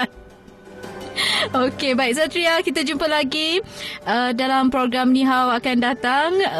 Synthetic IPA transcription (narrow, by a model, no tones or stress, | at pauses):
okebaiʔsat̪ɾiakit̪ad͡ʒumpalaɡiədalampɾoɡɾamnĩɦawakandat̪aŋ